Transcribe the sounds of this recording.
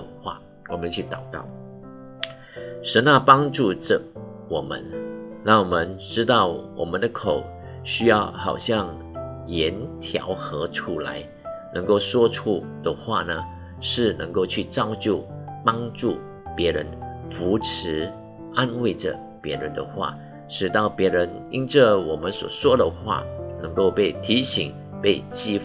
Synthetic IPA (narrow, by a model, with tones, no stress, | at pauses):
xwa̰˥˩ | wɔ˨˩mə˦nt͡ɕʰy˥˩t̪ɑ˨˩ʊkɑ̰˥˩ʊ | ʂə˧˥nːa˥˧pɑ˥ŋʈ͡ʂu˥˩ʈ͡ʂə˨˩wɔ˨˩mə̰˧˦nna˥˩ŋwɔ˨˩mə˧˦nʈ͡ʂɻ̩˥t̪ɑ˥˩ʊwɔ̰˨˩mə˦nd̪ə˨kʰo˨˩ʊ | ɕy˥jɑ˥˩ʊxɑ̰˨˩ʊɕjɑ˥˩ŋ | jɛ˧˥nt̪ʰjɑ̰˧˥ʊxɤ˧˥ʈ͡ʂʰu˥la̰˧˥ɪ | nɤ˧˥ŋko˥˩ʊʂwɔ˥ʈ͡ʂʰu˥d̪̥ə˨xwa̰˥˩nə˩ | ʂɻ̩˥˩nə˧˥ŋko˥˧ʊt͡ɕʰy˥˩ʈ͡ʂɑ˥˧ʊt͡ɕjo˥˩pɑ˥ŋʈ͡ʂu˥˩ | pjɛ˧˥ɻə˧˦nfu˧˥ʈ͡ʂ̩ʰ˧˥ | a˥nwe˥˩ɪʈ͡ʂə̰˩ | pjɛ˧˥ɻə˧˦nd̪ə̰˧xwa̰˥˩ | ʈ͡ʂɻ̩˨˩t̪ɑ˥˩ʊpjɛ˧˥ɻə˧˥nḭ˥nʈ͡ʂə˥˧wɔ˨˩mə˧˦nswɔ̰˨˩ʂwɔ˥d̪ə˨xwa̰˥˩nə˧˥ŋko˥˧ʊpe˥˩ɪt̪ʰi˧˥ɕi˨˩ŋ | pe˥˧ɪt͡ɕi˥f